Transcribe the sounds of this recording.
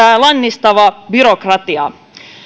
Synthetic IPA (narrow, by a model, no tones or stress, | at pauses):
æːlɑnːist̪ɑʋɑbyɾokrɑt̪iɑ̰